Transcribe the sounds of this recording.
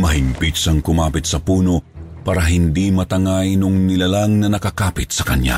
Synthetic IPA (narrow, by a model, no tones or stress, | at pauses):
mɐɦɪmpit̪sɐŋkʊmaːpɪt̪̚sɐpuːno̞ | paːɾɐɦɪnd̪imɐt̪ɐŋajnʊŋnɪlɐlaŋnɐnɐkakaːpɪt̪̚sɐkɐnɲja̰